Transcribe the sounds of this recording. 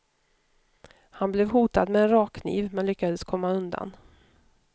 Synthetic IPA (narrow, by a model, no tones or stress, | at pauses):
hanblɛvɦuːt̪ad̪mɛɛnɾɑːkkʰːnḭːvmɛnlʏkːad̪əskʰɔmːaɵnd̪a̰n